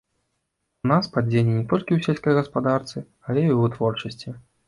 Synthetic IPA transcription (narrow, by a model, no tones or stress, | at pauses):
naspad͡zʲenʲɛnʲɛt̪ɔlʲkʲiwsʲɛlʲsʲkɐjɣɐspad̪art̪sɨ | alʲɛiwt̪vɔrt͡ʂɐsʲt͡sʲi